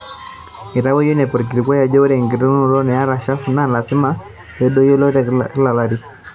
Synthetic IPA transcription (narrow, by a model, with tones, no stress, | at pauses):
i˨ɾa˦wɔ˦jɔ˦nɛ˨pɔ˨ɾk̬i˨ɾi˨kwa˦ja˨d͡ʒɔ˦ɾɛ˨ŋɡi˨ɾu˦nu˦ɾɔ˦nɛ˨a˦ɾa˨ʃa˦fu˨˦na˦la˨si˦ma˦ | jɛ˦dɔ˦jɔ˦lɔ˦ɾɛ˨kla˨la˦ɾi˦